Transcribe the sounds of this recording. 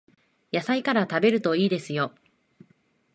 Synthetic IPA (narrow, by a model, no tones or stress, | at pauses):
jasaikaɾat̪abe̞ɾɯ̟t̪o̞iːd̪e̞sɨjo̞